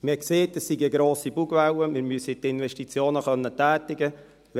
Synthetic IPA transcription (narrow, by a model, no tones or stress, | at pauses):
mɪkseːtəsːiɡəɡɾoːsibuɡvawəmɪɾmyəsitɪnvɛʃtit͡sjoːnəχœnːətæːtɪɡə